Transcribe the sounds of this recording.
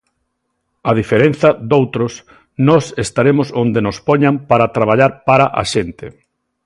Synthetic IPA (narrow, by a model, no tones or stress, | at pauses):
að̞ifeɾen̟θɐd̪owt̪ɾʊs | nɔsest̪aɾemʊsond̪enospɔɲampaɾat̪ɾaβ̞aʎaɾpaɾaʔa̰ʃent̪ɪ